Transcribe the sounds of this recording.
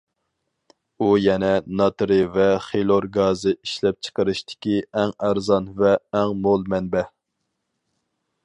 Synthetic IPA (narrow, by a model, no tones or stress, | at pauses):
ujɛnɛnɑt̪ɾɨvɛχelˠoɾɡɑzɨiʃlɛp̚t͡ʃʰə̥qʰəɾɨʃt̪ʰɪ̥kʲiɛŋæɾzɑnvɛːŋmolˠmɛnbɛ